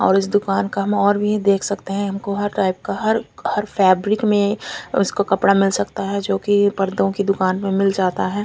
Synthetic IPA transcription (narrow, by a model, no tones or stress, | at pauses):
ɔ̰ːɾɪsd̪ʊkaːnkaɦɐmɔːɾbʱid̪eːkʰsɐkt̪eɦɛ̃ɦɐmkoɦɐɾʈaːɪp̚kaɦɐɾhɐɾfʰɛːbɾɪkmẽʊ̰skokɐpɽamɪlsɐkt̪aɦɛd͡ʒoːkipɐɾd̪õkid̪ʊkaːnmẽmɪld͡ʒaːt̪aɦɛː